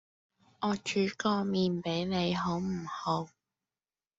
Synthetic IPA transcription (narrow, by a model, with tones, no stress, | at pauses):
ɔː˨˧t͡ʃyː˨˥kɔː˧miː˨npe˨˥jne˨˧jɦo˨˥wm̩˨˩ho˨˧˥w